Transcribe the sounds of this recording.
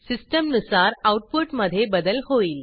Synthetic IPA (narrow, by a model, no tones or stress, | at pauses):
sisʈəmnusaɾawʈ̚puʈməd̪ʱːjebəd̪əlɦoiːl